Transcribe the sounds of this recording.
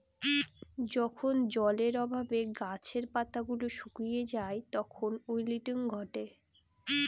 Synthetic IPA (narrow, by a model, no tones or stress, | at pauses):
d͡ʑɔkʰond͡ʑɔleɾɔbʱabeɡat͡ɕʰeɾpat̪aɡuloʃukɾijed͡ʑaet̪ɔkʰonojliʈiŋɡʱɔʈe